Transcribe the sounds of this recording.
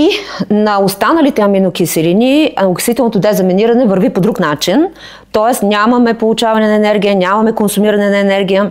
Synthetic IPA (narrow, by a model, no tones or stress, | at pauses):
inɐost̪anəlit̪ɛɐminokʲisɛlinʲioksvit̪ɛlˠnot̪od̪ɛzɐmɛniɾɐnɛvɐɾvipod̪ɾuknat͡ʃin | t̪ɔɛsnʲamɐmɛpolˠʊt͡ʃavɐnɛnɐɛnɛɾɡʲijənʲamɐmɛkonsʊmiɾɐnɛnɐɛnɛɾɡʲijə